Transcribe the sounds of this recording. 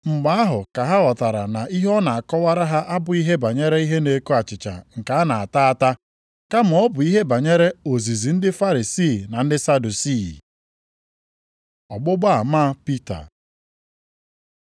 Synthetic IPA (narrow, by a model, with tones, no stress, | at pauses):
ŋ͡m̩˨ɡ͡ba˦a˦ɦʊ˨ka˨ɦa˦ɣɔ˨ta˨ɾa˨na˨ʔi˦ɦɔ˦na˨a˨kɔ˦wa˦ɾa˦ɦa˦ʔa˦bʊ˨i˦ɦe˦ba˨ɲe˦ɾe˦i˦ɦe˦ne˨ko˦a˨t͡ʃɪ˨t͡ʃa̰˨ŋ̩˨ka˨a˦na˨a˨ta˦a˦˨ta˦ | ka˦m̩˨ɔ˦bʊ˨i˦ɦe˦ba˨ɲe˦ɾe˦o˨zi˨zi˨n̩˦dɪ˦fa˦ɾi˨siː˦˨na˨n̩˦dɪ˦sa˦du˨si˦˨ | ɔ˨ɡ͡bʊ˦ɡ͡ba˦a˨ma˦pi˦ta̰˨